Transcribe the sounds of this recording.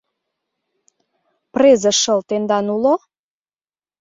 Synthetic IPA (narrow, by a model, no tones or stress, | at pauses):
prezəʃəlt̪end̪ɑnulo